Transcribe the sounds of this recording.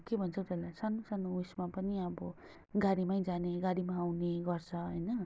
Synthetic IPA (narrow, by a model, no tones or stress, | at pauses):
kebʱʌnt͡sʰʌt̪elasanosanousmapʌniʌbʌ | ɡaɽimaĩd͡zaneɡaɽimaːwneɡʌrt͡sʰʌɦʌjnʌ